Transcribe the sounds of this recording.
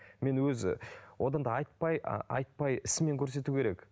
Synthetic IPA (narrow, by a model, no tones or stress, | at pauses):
me̞nwɵzɪ̰wʔo̞d̪ɑnd̪ɑɑjt̪̚pɑj̰ɑ̰jt̪̚pɑjɪsɪme̞ŋkʲʰɵɾs̬e̞t̪ukʲʰe̞ɾe̞k